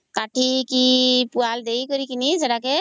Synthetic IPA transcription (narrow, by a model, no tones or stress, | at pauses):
kaʈʰikipuald̪ejkɔɾikinisɛdake